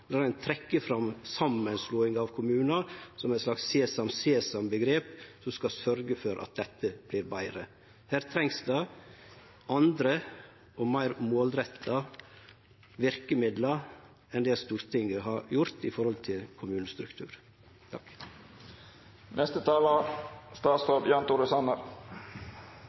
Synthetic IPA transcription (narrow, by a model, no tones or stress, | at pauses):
lɑːɾæɪnt̪ʰɾɛkːəfɾɑmsɑmːənsluːɪŋɑʋkʰʊmʉːnɑsɔmæɪt̪slɑksːeːsɑmseːsɑmbəɡɾeːpsɔmskɑsœɾɡəfɔɾʔɑ̰t̪̚d̪ɛt̪ːəb̥liːɾbæɪɾə | hæːɾt̪ʰɾɛŋsd̪ɑ | ɑnd̪ɾə | ɔmæɪɾmoːlɾɛt̪ʰːɑ | ʋɪɾkəmɪd̪lɑ | ɛnd̪eːlst̪uːɾt̪ʰɪŋəɦɑjʊɾt̪ɪfɔɾhɔlt̪ʰɪlkʰʊmʉːnəst̪ɾʉkt̪ʰʉ̰ːɾ | t̪ʰɑk | nɛst̪ət̪ʰɑːlɑst̪ɑːt̪st̪ɑːbjɑːnt̪uɾəsɑnəɾ